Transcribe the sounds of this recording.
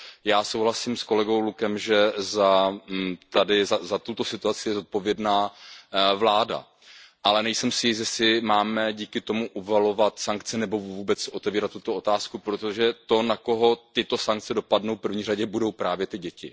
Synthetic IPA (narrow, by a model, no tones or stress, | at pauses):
jaːsowɦlasiːmsko̞lɛɡo̞wlukɛmʒɛza | t̪adɪzazat̪ut̪osɪt̪uat͡sɪjɛzo̞t̪̚po̞vjɛdnaː | vlaːda̰ | ʔalɛnɛjsɛmsɪjɪsjɛsɪmaːmɛɟiːkɪt̪o̞muʔuvalo̞vat̪saŋkt͡sɛnɛbo̞vuːbɛt͡so̞t̪ɛviːɾat̪ːut̪o̞ot̪aːskupɾot̪o̞ʒɛt̪o̞nako̞ɦo̞t̪ɪt̪o̞saŋk̚t͡sɛdo̞padnowfpr̩vɲiːraɟɛbudo̞wpɾaːvjɛt̪ɪɟɛcɪ